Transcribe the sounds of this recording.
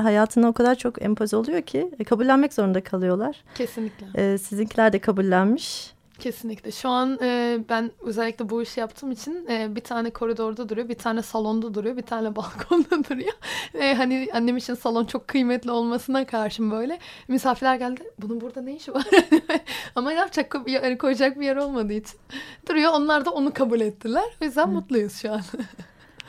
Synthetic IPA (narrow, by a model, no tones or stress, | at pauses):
ɦajaːt̪ʰɯnaokʰad̪aɾt͡ʃʰo̞kɛ̰mpʰazio̞lˠujo̞cʰikʰabulʲːænmɛcz̥o̞ɾund̪akʰalˠɯjo̞lˠaɾ̥cʰe̞sinlʲicʲlʲɛɛːsizincʰilʲæɾd̪ɛkʰabulʲːænmiʃ | cʰe̞sinlʲiclʲɛʃuanɯːbænø̞zɛlʲːicʲlʲɛbuiʃjapt̪ʰɯːmit͡ʃʰinɛːbit̪ʰaːnɛkʰo̞ɾid̪o̞ɾd̪ad̪uɾujo̞bit̪ʰaːnɛsalˠo̞nd̪ad̪uɾujo̞bit̪ʰaːnɛbalˠkʰo̞nd̪ad̪uɾujoɛɦanianːe̞mit͡ʃʰinsalˠo̞nt͡ʃʰo̞kʰːɯjmɛt̪lʲio̞lˠmasɯnakʰaɾʃɯmbø̞jlʲɛmisaːfiɾlʲæɾɟælʲd̪ɪbunubuɾd̪anejiʃivaɾd̪mɛamajapt͡ʃʰakʰːojanikʰo̞jd͡ʒak̚bijeɾo̞lˠmad̪ɯːit͡ʃʰi̥nd̪uɾujo̞ːnlˠaɾd̪aonukʰabulʲɛt̪ʰːilʲæɾ̥bizlʲænmut̪lˠujɯz̥ʃuan